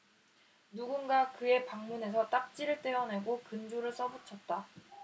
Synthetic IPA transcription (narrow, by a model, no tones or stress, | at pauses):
nuɡunɡakɯe̞paŋmune̞sʰʌt͈ak̚t͡ɕ͈iɾɯɭt͈eʌne̞ɡokɯnd͡ʑoɾɯɭs͈ʌbut͡ɕʰʌt̚t͈a